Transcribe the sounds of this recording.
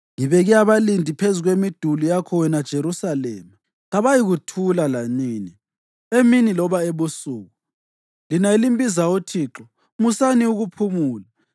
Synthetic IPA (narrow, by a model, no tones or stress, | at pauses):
ŋiβɛɣiaβalindʱipʰezuɣwemid̥ʱulujakʰɔwɛnad̥ʒ̥ʱeɾusalɛːma | ɣaβajiɣutʰulalaniːni | eminilɔβaeβusuːɣu | linailimbʼizaotʰiːǁɔ | musaniuɣupʰumuːla